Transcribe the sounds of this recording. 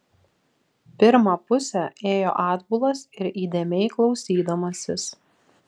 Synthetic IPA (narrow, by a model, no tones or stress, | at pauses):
pʲɪɾmɐpʊsʲɛeːjo̰ːʔɑːd̪bʊlˠɐsɪɾiːd̪ʲeːmʲɛɪklˠɒʊsʲiːd̪ɐmɐsʲɪs